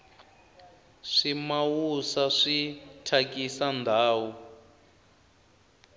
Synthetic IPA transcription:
ʂimawusaʂitʰakisandʱaːwu

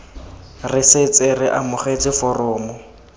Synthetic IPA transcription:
rɪsɪt͡sʼɪrɪʔamʊχet͡sʼɪfʊrʊːmʊ

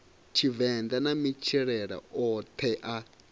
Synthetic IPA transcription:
t͡ʃʰivɛnd̪anamit͡ʃʰiɺɛɺa̰ɔt̪ʰɛʔa

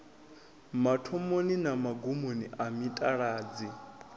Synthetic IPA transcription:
matʰɔmoninamaɡumoniʔamitʼaɺaːd͡zi

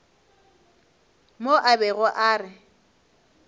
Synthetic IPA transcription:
moʔabɛɣʊʔaːrɪ

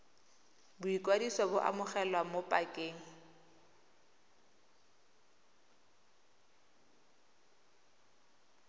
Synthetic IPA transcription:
bʊikʼwadisɔbʊʔa̰mʊχɛlwamopʼakʼeːŋ̩

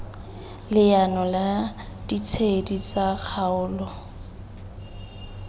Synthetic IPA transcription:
lɪjanɔla | d̥it͡sʰedit͡sak͡xʰaʊːlɔ

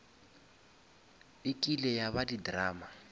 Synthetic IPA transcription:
ɪkʼilɛjaβadidraːma

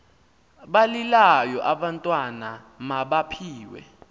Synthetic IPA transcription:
ɓalilajɔʔaɓantʼwana | maɓapʰiːwɛ̰

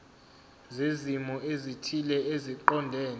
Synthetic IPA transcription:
zezimɔezitʰilɛeziǃɔndʱɛːn

